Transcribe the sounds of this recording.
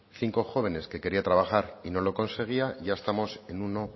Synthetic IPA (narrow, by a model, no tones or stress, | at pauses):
θiŋko̞xo̞β̞e̞ne̞ske̞ke̞ɾiat̪ɾaβ̞axaɾino̞lo̞ko̞nse̞ɣ̞iaʝae̞st̪amo̞se̞nuno̞